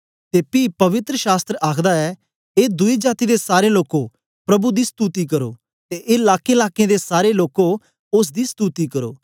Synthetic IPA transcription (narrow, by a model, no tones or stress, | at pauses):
t̪eːpiːpɐʋɪt̪ɾəʃaːst̪ɾəaːkʰd̪aɛ | eːd̪ʊid͡ʒaːt̪id̪esaːɾeloːko | pɾɐbud̪ist̪uːt̪ikɐɾo̰ː | t̪eʔelaːkẽlaːkeẽd̪esaːɾeloːko | ʊs̬d̪ist̪uːt̪ikɐɾo̰ː